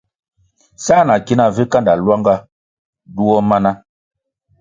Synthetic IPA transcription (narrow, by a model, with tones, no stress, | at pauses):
sa˦˨na˨ki˦na˨vi˦ka˦nda˨lwa˦ŋɡa˦ | du˦wɔ˦ma˦na˦